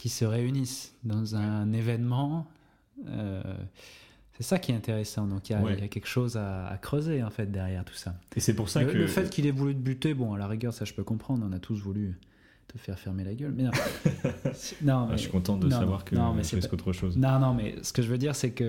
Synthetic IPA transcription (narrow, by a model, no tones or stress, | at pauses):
kʲisəʁeynisd̪ɑ̃zɛ̃nevɛnmɑ̃ | ø̰ | sɛsakʲiɛt̪ɛ̃t̪eʁesɑ̃d̪ɔ̃kiljawɛiljakʲɛlkə̥ʃoza̰ːkχøzeɑ̃fɛt̪̚d̪ɛʁjɛʁt̪u̥saesɛpuʁsaləfɛt̪kʰʲilɛvulyd̪əbyt̪ebɔ̃alaʁiɡʲœʁsaʒəpøkɔ̃pχɑ̃d̪ʁɔ̃nat̪ʰusvuly | t̪əfɛʁfɛʁmelaɡʲœlmɛnɔ̃ | snɔ̃m̰ɛʃkɔ̃t̪ɑ̃t̪d̪ñsavwaʁkənɔ̃mɛsɛist̪ot̪χəʃoznɔ̃nɔ̃mɛ̰sə̥kəʒəvød̪iʁsɛkə